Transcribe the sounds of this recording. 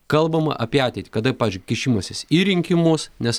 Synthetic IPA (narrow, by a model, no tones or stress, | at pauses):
kɐlˠbɐmɐ̰ʔɐpʲiɛɑːt̪ʲɛɪt̪ʲi̥ːkɐd̪ɐpɑːʋʲɪzʲd͡ʒʲɡʊkʲɪʃʲimosʲɪsiːɾʲɪŋʲkʲɪmʊsnʲɛs